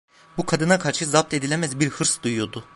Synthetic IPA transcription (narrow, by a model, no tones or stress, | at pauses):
bukʰad̪ɯnakʰaɾʃɯzap̚t̪ʰe̞d̪ilʲemæzbiɾhɯɾsd̪ujjo̞d̪ʊ